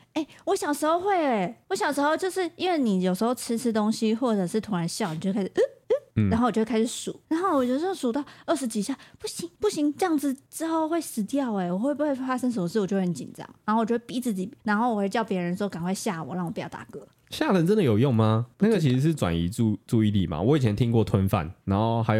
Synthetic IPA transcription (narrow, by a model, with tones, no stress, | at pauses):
e˥˩ɪwɔ˧˥ɕjɑ˨˩ʊʂɻ̩˧˥xo˥˧ʊxwe˥˩ɪwɔ˧˥ɕjɑ˨˩ʊʂ̩˧˥xo˥˧ʊt͡ɕjo˥˧ʊʂɻ̩˥˩i˥nwe˥˩ɪni˨˩jo˨˩ʂ̬ɻ̩˧˥xo˥˧ʊʈ͡ʂʰɻ̩˧˥ʈ͡ʂ̩ʰ˥t̪o˥ŋɕi˦xwɔ˥˩ʈ͡ʂɤ˨˩ʂɻ̩˥˩t̪ʰʊ˧˥ŋɻa˧˥nɕjn˨o˥˧˥kʰa˥ʂ̩˩˥˧ʔnxo˥˩wt͡ɕo˥˧wkʰʂɻ̩˨˩˦sṵ˨˩˦ɻa˧˦nxo˥˩ʊwɔ˨˩t͡ɕo˥˩˥su˨˩t̪ɑ˥˧ʊə˥˩ʂɻ̩˧˥t͡ɕi˧˥ɕja˥˩pu˥˩ɕi˧˦ŋpu˥˩ɕi˧˥˦ŋʈ͡ʂjɑ˥˧ŋd͡zɹ̩˨˩ʈ͡ʂɻ̩˥xo˥˩ʊxwe˥˩ɪsɹ̩˧˥t̪jɑ˥˨ʊe˨˩wɔ˨˩xwe˥ɪpu˩xwe˥˩ɪfa˥ʂə˥ŋʂ̬ə˨mə˦ʂ̬̩˥˩wɔ˨˩jo˥˧˥wə˧˦n˥t͡ɕi˨˩nʈ͡ʂɑ̰˥˦ŋnna˨˧˥xo˥˩wt͡ɕjo˧we˥˩pi˨˥˩t͡sɹ̩˥˩t͡ɕi˨˩na˧˦nxo˥˩wɔ˨˩we˥˧˩t͡ɕɑ˥˩ʊpjɛ˧˥ɻə˧˦n̩˧˥˧ka˨˩nkwe˥˧ɪɕja˥˩wɔ̰˨˩˦ɻɑ˥˩ŋwɔ˨pi˨˩jɑ˥˩t̪a̰˥˩kɤ˧˥˦ | ɕja˥˩lə˧˦nʈ͡ʂə˦nd̪ə˨jo˨˩ʊjo˥˨ŋma˨na˥˩ɡə˨˩t͡ɕʰi˧˥ʂ̩˧˥ʂ̬̩˥˩ʈ͡ʂwa̰˨˩nḭ˧˦˥u˥˧t͡su˥˧i˥˧lḭ˨˩ma̰˨wɔ˨˦˥i˨˩ɛ˧˦nt̪ʰi˦ŋkwɔ˥˨t̪ʰwə˦nfa̰˥˨nna˧˥nxo˥˩ʊxa˧˥ɪj